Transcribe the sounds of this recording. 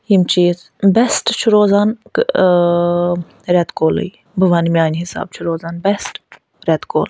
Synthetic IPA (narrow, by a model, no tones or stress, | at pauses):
jimt͡ʃʰit̪ | bɛsʈt͡ʃʰuɾoːzank | ɾɛt̪koːlə̰j | bɨʋanmiaːnɦisa̰ːb̚t͡ʃʰuɾoːzaːnbɛsʈ | ɾʲɛt̪ko̰ːl